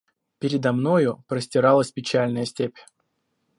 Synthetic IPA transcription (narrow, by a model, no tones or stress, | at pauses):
pʲɪɾʲɪd̪ɐmno̞jʊpɾəsʲtʲɪɾalˠəsʲpʲɪt͡ɕælʲnəjəsʲtʲepʲ